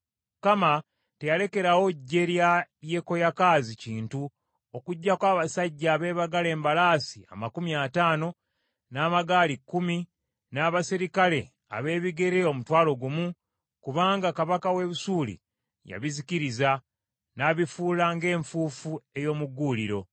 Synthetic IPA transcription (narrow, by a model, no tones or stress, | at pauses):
mukama | te̞jale̞ke̞ɾawo̞ɟːe̞ɾjalje̞ko̞jakaːziciːntu | o̞kuɟːakwaːβasaɟːaːβe̞ːβaɡale̞ːmbalaːsia̰makumiataːno̞ | naːmaɡaːlikːumi | naːβasiɾikale̞ | a̰βe̞ːβiɡe̞ɾe̞o̞mutwaːlo̞ɡumu | kuβaːŋɡakaβakawe̞βusuːlḭ | ja̰βiziciɾiza | naːβifuːlaŋɡe̞ːɱfufue̞jo̞ːmuɡːuːliɾo̞